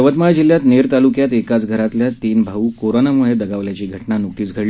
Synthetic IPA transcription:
ʋət̪maɭd͡ʑilːjat̪neɾt̪alukjat̪ekat͡sɡʱəɾat̪ljat̪iːnbʱaʋuːkoɾonamuɭed̪əɡaʋljat͡ɕiːɡʱəʈnanuk̚ʈiːt͡sɡʱəɽli

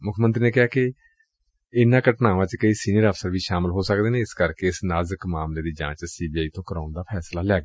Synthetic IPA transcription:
mʊkʰmənt̪ɾiːneːkɪɦaːkɪ | ɪnãːkəʈnaːʋãːt͡ʃkəiːsiːniəɾəfsəɾʋiːʃaːmɪlɦoːsək̚d̪eːneːɪskəɾkeːɪsnaːzəkmaːmleːd̪iːd͡ʒã̰ːt͡ʃsiːbiːaːiːt̪õːkəɾaːnd̪aːpʰɛːslaːlɛːɡ

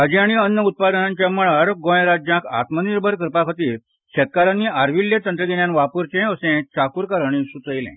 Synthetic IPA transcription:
ɦəd͡ʑiaɽ̃iənːəut̪̚pad̪ənaɲt͡ɕjaməɭaɾɡõjɾad͡ʑjãkʰa̰t̪məniɾbʱəɾkəɾpakʰət̪iːɾ | ɕet̪̚kaɾanːiːʔaɾʋiljet̪ənt̪ɾəɡ̪eɳjãnʋapuɾt͡ɕẽəsẽt͡ɕakuɾkaɾəɳ̃isut͡s̪əjlḛ̃

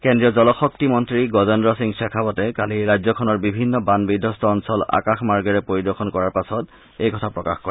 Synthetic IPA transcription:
kendɹiɔzɔlɔxɔk̚timɔntɹiɡɔzɔndɹɔsiŋsɛkʰabɔtɛkaliɹajzɔkʰɔnɔɹbibʱinːɔbanbidʱːɔstʰɔːnsɔla̰kaxmaɹɡɛɹɛpɹoɹidɔkʰɔnkɔɹaɹpasɔt | ejkʰɔtʰapɹɔka̰xkɔɹɛ

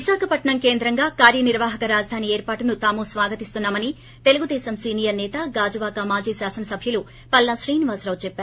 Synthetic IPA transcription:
ʋisaːkʰɐpɐʈɳɐmke̞ːnd̪ɾɐŋɡaːkaːɾjɐniɾʋaːɦɐkɐɾaːd͡ʒɐd̪ʱaːnieːɾpaːʈunut̪aːmosʋaːɡɐt̪ist̪unːaːmɐni | t̪e̞luɡud̪ɛːsɐmsiːnijɐɾnɛːt̪ɐɡaːd͡ʒuʋaːkɐmaːd͡ʒiːʃaːsɐnɐsɐbʱjɐlu | pɐlːɐʃɾiːniʋaːsɾɐwt͡ʃɛpːaːɾu

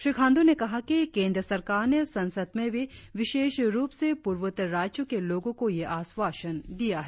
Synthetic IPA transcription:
ʃɾiːkʰãːnd̪õnekɐɦakikẽːnd̪ɾəsɐɾkaːɾnesɐ̃nsəd̪mẽbʱiʋɪʃeːʃɾuːpsepuːɾʋət̪ɾaːd͡ʒjõkeloːɡõkojeʔaːsʋaːʃənd̪ijaɦɛ

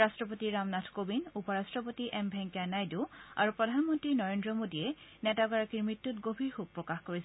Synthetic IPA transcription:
ɹastɹɔpotiɹamnatʰkobinupɔɹastɹɔpotiʔɛmbʱɛŋkjanajdua̰ɹupɹɔdʱanmɔntɹinɔɹendɹɔmodiɛnɛtaɡɔɹakiɹmɹitːutɡobʱiɹxuk̚pːɹɔkaxkoɹisɛ

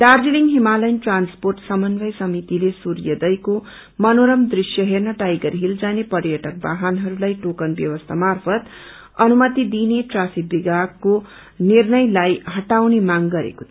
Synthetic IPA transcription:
d̪ardiliŋɦimalʌjnʈransporʈsʌmʌnbʱʌjsʌmit̪ilesurjʌd̪ʌjko | mʌnoɾʌmd̪risjʌɦernʌʈajɡʌrɦild͡zanepʌrjʌʈʌk̚ba̰ɦanɦʌɾulajʈokʌnbjʌ̰wʌst̪ʰamarpʰʌt̪ | ʌnumʌt̪id̪ineʈrafʰik̚biɡakːo | nirnʌjlajɦʌʈawnemaŋɡʌɾḛko

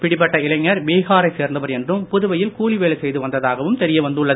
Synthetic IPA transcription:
pɪɽɪpːɐʈːɐɪlɐŋːɐɾbeːɣaːɾɐɪseːɾnd̪ɐʋɐɾɛndrɯmpʊðʊʋɐjɪlkuːɭiʋeːɭɐsɛjðɯʋɐnd̪ɐðaːɣɐʋɯmt̪ɛɾɪjɐʋɐnd̪ɯɭːɐð

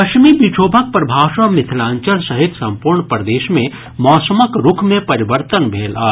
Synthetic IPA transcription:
pɐkmibit͡ʃʰoːbʱək̚pɾbʱaːʃɐ̃mɪt̪ʰɪlãːɲt͡ʃəlsɐɦɪt̪sɐ̃mpuːɾɳpɾəd̪eːʃmẽ | mɔːsəməkɾʊkʰmẽpɐɾiʋəɾt̪ənbʱeːlaː

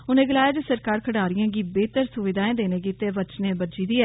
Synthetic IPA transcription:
ʊnẽːɡəlaːjaːd͡ʒesəɾkaːɾkʰəɽaːɾɪjãːɡiːbeːt̪əɾsʊʋɪd̪ʱaːẽːd̪eːnẽːɡiːt̪eːʋət͡ʃnẽːbəd͡ʒiːd̪iːɛː

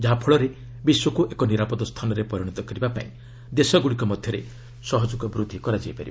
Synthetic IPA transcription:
d͡ʒaɦapʰɔɭɔɾe | biswɔkuʔekɔniɾapɔd̪ɔst̪ʰanɔɾepɔɾjɔɽ̃ɔt̪ɔkɔɾibapa̰ĩ | d̪esɔɡuɽikɔmɔd̪ʱjɔɾḛ | sɔɦɔd͡ʒukɔbɾud̪ʱːikɔɾad͡ʒiepaɾiba

